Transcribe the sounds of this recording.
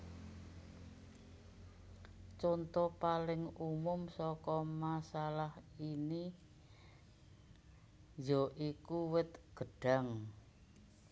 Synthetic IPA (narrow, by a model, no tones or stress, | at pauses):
t͡ʃɔnt̪ɔpalɪŋumʊmsɔkɔmasalahini | jɔʔikuwɪt̪̚ɡ̥əɖ̥a̤ŋ